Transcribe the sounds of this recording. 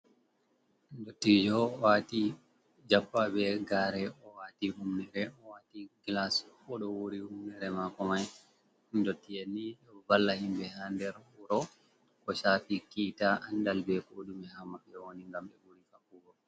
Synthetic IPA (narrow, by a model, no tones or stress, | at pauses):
ndotːid͡ʒɔwati | d͡ʒapːabɛɡaːɾɛɔwatihumnɛɾɛɔwatiɡlaskɔɗɔwoɾihumnɛɾɛmakɔmaj | ndotːijenːiɗɛbalːahimbɛɦandɛɾuɾɔ | kɔʃaːfikitaʔandalbɛkoɗumɛɦamaɓɛwoniŋɡamɓɛwoɾikakuɡɔ